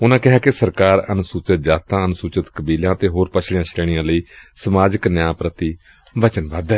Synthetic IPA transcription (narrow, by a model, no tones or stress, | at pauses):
ʊnãːkɪɦaːkɪsəɾkaːɾənʊsuːt͡ʃət̪̚d͡ʒaːt̪ʰãːənʊsuːt͡ʃət̪kəbiːlãːt̪eːɦoːɾpət͡ʃʰɽɪjãːt͡ʃʰleːɽ̃ijãːləiːsəmaːd͡ʒəknjãːpɾət̪iː | ʋət͡ʃənbaːd̪ɛː